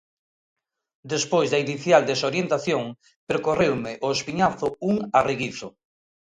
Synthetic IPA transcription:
d̪espojzðɐiniθjald̪esoɾjent̪aθjoŋ | peɾkorewmɪʔoespiɲaθʊuŋareɣiθʊ

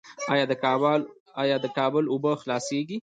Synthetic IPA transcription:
ɑjɑd̪əkbl | ɑjɑd̪əkɑbəlʊbəxlɑseɡi

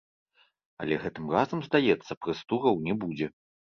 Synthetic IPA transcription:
ɐ̰lʲɛɣɛt̪ɨmrazɐmzd̪ajɛt̪sːɐpɾɨst̪uɣɐwnʲɛbud͡zʲɛ

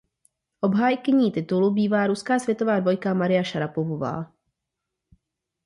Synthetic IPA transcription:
ʔo̞bɦaːjkɪɲiːt̪ɪt̪ulubiːvaːɾuskaːsvjɛt̪o̞vaːdvo̞jkamaɾɪjaʃaɾapovova̰ː

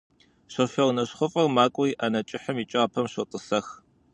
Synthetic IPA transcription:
ɕɨrfɐʁnɐɕχʷʊfʼɐrmaːkʷʼʊiːʔanɐt͡ʃʼɪħəmiːt͡ʃʼɐʁɐpʰɐmɕotʼɨsɐx

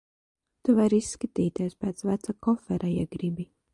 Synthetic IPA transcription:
t̪uvaɾisːkat̪iːt̪iɛspeːt̪svæt̪sakɔfɛɾʔajḭɡɾibi

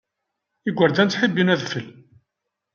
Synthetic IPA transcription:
iɡʷəɾd̪ænt͡sħibːinæðfəl

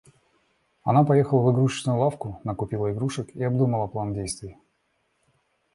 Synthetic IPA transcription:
ɐ̰napɐjexəlˠəvɨɡɾuʂt͡ɕnʊjʊlˠafkʊnəkʊpʲilˠəɪɡɾuʂɨkiɐbd̪uməlˠəplˠandʲejst̪vʲɪj

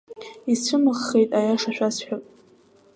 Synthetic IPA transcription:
isʰɨmɨχːe̞jtʼajaʂaʃᶣasħᶣakʼ

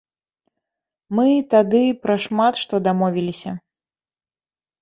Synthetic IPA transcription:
mɨt̪ad̪ɨpɾɐʂmat̪ʂt̪ɔd̪amɔvʲilʲisʲɐ

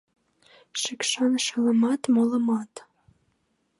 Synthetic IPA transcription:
ʃekʃɑŋəʃələmɑt̪molə̆mɑt̪

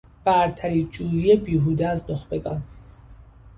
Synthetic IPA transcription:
b̥æɾt̪ʰæɾiːd͡ʒuːjiebiːɦuːd̪eæznoxbeɡɒ̰n

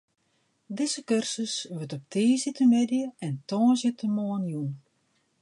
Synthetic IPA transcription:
dɪzəkørsəsʋøtɔp̚tʰiːzɪtənmɪdjəɛntɔːzjətəmɔːnjun

